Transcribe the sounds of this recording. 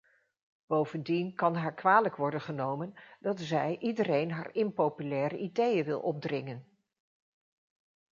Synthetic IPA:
b̥owvəndinkɑnɦaːɹkʋaːləkʋɔɹdənχənowmənd̥ɑtzɛjʔidərejnɦaːɹɪnpowpylɛːɾəʔidejəʋɪlˠʔɔb̚drɪŋən

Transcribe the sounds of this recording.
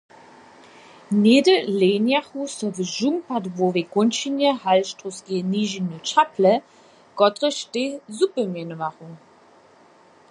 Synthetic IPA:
neːdəleːnjaχusɔvəʒuŋpʰadvoveɡʊnʃinjəhalʃtʁosɡeniːʒinət͡ʃaplə | ɡ̥ɔtʁəʃtezupəmɛnəvaχuŋ

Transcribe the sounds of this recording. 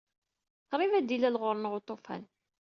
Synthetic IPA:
θɾˤɪvæd̪ilælʁʊɾˤnəʁot̪ˤːofæ̰n

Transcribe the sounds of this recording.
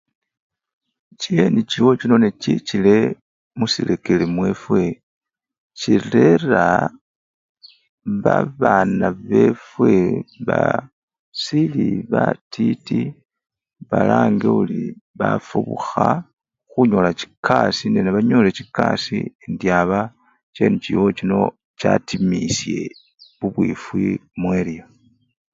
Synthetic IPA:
cieniciwo̞t͡ʃino̞necit͡ʃile̞ | musile̞ke̞lemwe̞fwe̞ | cile̞ra | βaβanaβe̞fwe̞βa̰ | siliβatʰiti | βalaːŋɡeuliβafuβuxa | xuɲo̞lat͡ʃi̥kʰasinenaβaɲo̞le̞t͡ʃikasiendjaβa | t͡ʃe̞ːnut͡ʃḭwot͡ʃino̞ | t͡ʃatimisje̞ | βuβwifwimwelijo

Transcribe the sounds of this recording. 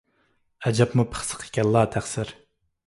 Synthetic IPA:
ɛd͡ʒɑpmupʰə̥χsə̥qʰe̥kʲɛlˠːɑːt̪ʰæχsɪɾ

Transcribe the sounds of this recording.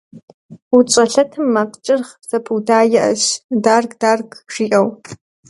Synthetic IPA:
ut͡ʃʷʼɐɬɐtʰɨmːaqʼt͡ʃʼɨrχsɐpʰudaːjɪʔɐ̰ʃdarɡʼdarɡʼʂiʔʼɐw

